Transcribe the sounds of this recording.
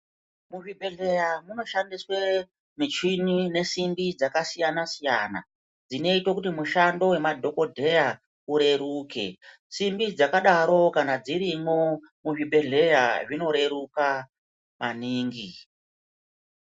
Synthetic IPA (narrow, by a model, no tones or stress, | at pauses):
muʐibʱe̞ɮe̞jamuno̞ʃandiswe | mit͡ʃinine̞simbid͡zakasijanasijana̰ | d͡zine̞itwokutimuʃando̞we̞madʱo̞ko̞dʱe̞ja | uɾe̞ɾuːke̞̰ | simbid͡zakaɗaɾo̞kanad͡ziɾimo | muʐiɓʱe̞ɮe̞jaʐino̞ɾe̞ɾuka | maniːŋɡi